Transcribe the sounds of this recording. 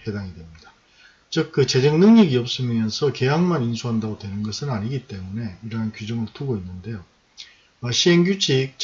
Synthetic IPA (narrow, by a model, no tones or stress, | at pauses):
ke̞daŋidwe̞mɲid̥a | t͡ɕɯk̚k͈ɯt͡ɕe̞d͡ʑeŋnɯŋɲiɡiʌp̚s͈ɯmmjʌnsʰʌke̞jaŋmaninsʰuɦandaɡodwe̞nɯnɡʌsʰɯnaɲiɡit͈e̞mune̞iɾʌɦankid͡ʑʌŋɯɭtuɡoinːɯnde̞jo | ʌɕʰienɡut͡ɕʰik̚t͡ɕ